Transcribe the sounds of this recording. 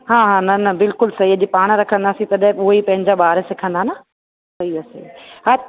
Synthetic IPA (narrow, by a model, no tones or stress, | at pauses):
ɦãːɦãːnɐnɐbɪlkʊlsɐɦiɐd͡ʑipaːɽ̃ɾɐkʰə̃nd̪aːsĩt̪ɐɗɦʊɦoipɐ̃ɦɪ̃ɲd͡ʑaɓaːɾesɪkʰə̃nd̪anɐ | sɐɦiɐsḛɦa